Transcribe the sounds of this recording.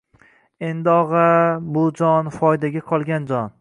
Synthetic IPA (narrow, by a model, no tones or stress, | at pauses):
e̞nd̪ɪɒʁabʊd͡ʒɒnfɒjd̪aɡʲaqʰɒlˠɡʲand͡ʒɒn